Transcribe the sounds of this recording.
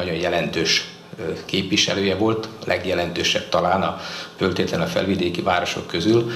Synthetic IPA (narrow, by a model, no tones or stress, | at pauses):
ɒɟo̞njɛlɛnt̪øːʃ | keːpʋiʃɛ̰løːjɛvo̞lt̪lʔɛ̰ɡjɛlɛnt̪øːʃɛ̰b̚t̪ɒlaːnɒfølt̪eːt̪lɛnɒfɛ̰lvid̪eːkivaːɾo̞ʃo̞̰kːøzyl